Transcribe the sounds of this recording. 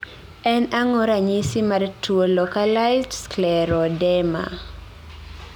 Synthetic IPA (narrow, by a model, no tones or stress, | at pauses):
ɛnaŋɔɾaɲisimartʰuolɔkalajzdsklɛɾɔdɛma̰